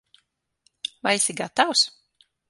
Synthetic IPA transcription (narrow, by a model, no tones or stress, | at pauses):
vajsiɡat̪aws